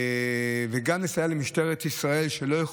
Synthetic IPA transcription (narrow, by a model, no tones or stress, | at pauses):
veɡamnesajalemiʃt̪eʁet̪isʁae̞lʃelo̞jaχ